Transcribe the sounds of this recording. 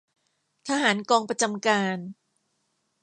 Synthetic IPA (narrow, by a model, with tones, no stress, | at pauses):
t̪ʰa˧ɦaː˩˦nkɔː˧ŋpɾa˧t͡ɕa˧mkaː˧n